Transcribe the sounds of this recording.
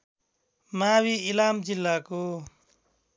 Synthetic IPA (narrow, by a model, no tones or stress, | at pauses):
mawiilamd͡ʒilːako